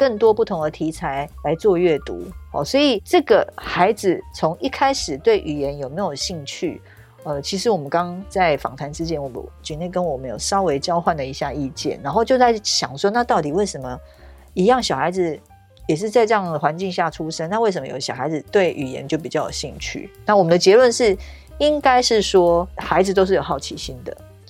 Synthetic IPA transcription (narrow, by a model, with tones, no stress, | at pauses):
kə˥˩ŋt̪wɔ˥pu˥˩t̪ʰʊ˧˥ŋd̪ə˧t̪ʰi˧˥t͡sʰa˧˥ɪla˧˥ɪt͡swɔ˥˧ɥɛ˥˩t̪ṵ˧˥˦hɔ̰˥˩swɔ˧˥i˨˩ʈ͡ʂɤ˥˩ɡə˩xa˧˥ɪd͡z̩˨t͡sʰo˧˥ŋi˥kʰa˥ɪʂɻ̩˨˩t̪we˥˩ɪʔy˨˩jɛ˨˧˦njo˨˩ʊme˧˥ɪjo˨˩ʊɕi˥˧ŋt͡ɕʰy˥˩ | ə˥˩t͡ɕʰi˧˥ʂ̬ɻ̩˧˥wɔ˨mə˦nkɑ˥ŋt͡sa˥˩ɪfɑ̰˨˩ŋt̪ʰa˧˥nt͡sɻ̩˥t͡ɕjɛ˥nwɔ˨˩mə̰˦t͡ɕy˨˥ne˥˩kə˦nwɔ˨˩mə˦njo̰˨˩ʊʂɑ˥ʊwe˧˥ɪt͡ɕjɑ˥ʊxwa˥˩nd̪ə˩i˧˥ɕja˥˧i˥˧t͡ɕjɛ̰˥˨nːa˧˥nxo˥˧ʊt͡ɕjo˥˧ʊt͡sa˥˩ɪɕjɑ˨˩ŋʂwɔ˥na˥˧t̪ɑ˥˩ʊt̪i˨˩we˥˩ɪʂə˧˦nmə˨ | i˧˥jɑ˥˩ŋɕjɑ˨˩ʊxa˧˥ɪd͡z̩˨ | jɛ˨˩ʂ̬ɻ̩˥˧t͡sa˥˧ɪʈ͡ʂɤ˥˧jɑ˥˩ŋd̪ə˩xwa˧˥nt͡ɕi˥˧ŋɕja˥˩ʈ͡ʂʰu˦ʂə˥nna˥˧we˥˩ɪʂə˧mə̰˧˨jo̰˨˩ɕjɑ˨˩ʊxa˧˥ɪd͡z̩˨˩t̪we˥˩ɪʔy̰˨˩jɛ̰˧˦nt͡ɕjo˥˩ʊp̬i˨˩t͡ɕjɑ˥˩ʊjo̰˨˩ɕḭ˥˧ŋt͡ɕʰy̰˥˩na˥˩wɔ˨˩mə˨˦d̪ə˨t͡ɕjɛ˧˥lwə˥˧nʂɻ̩˥˩ | i˦ŋka˥ɪʂɻ̩˥˩swɔ˥xa˧˥ɪd͡z̩˨˧t̪o˥ʊʂ̬̩˥˩jo˨˩ʊxɑ˥˩ʊt͡ɕʰi˧˥ɕi˥nd̪ə̰˨